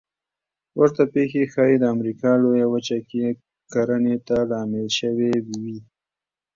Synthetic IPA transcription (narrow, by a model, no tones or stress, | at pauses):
wʔəɾt̪apexexɑjid̪əamɾikɑlojawət͡ʃake | kaɾənet̪alɑmɪlʃəwewiwi